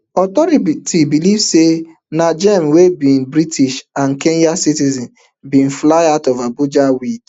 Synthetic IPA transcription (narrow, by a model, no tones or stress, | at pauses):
ɔtɔɾitibilivse | nad͡ʒɛmwebĩn̩bɾitʰiʃan̩kẽnjasitizɔ̃n | bĩn̩flaɪatɔvabud͡ʒawid